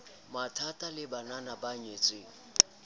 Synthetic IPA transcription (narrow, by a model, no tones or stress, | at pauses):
matʰatʼalɪbananabaɲet͡sʼɪ